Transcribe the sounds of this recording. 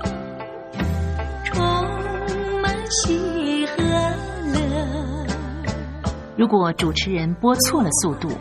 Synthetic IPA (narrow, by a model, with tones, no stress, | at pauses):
ʈ͡ʂʰʊ˧˥ŋma˧˥nt͡ɕʰi˧˥xɤ˧˥lə˧ | ɻu˧˥kwɔ˧˩ʈ͡ʂu˨˩ʈ͡ʂʰɻ̩˧˥ɻə˧˥npwɔ˥t͡sʰwɔ˥˩lə˩su˥˧t̪ṵ˥˩